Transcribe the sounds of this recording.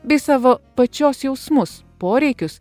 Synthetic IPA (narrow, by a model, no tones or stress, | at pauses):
bʲɛɪsɑːʋoːpɐt͡ʃʲoːsjɛʊsmʊs | poːɾʲɛɪkʲʊs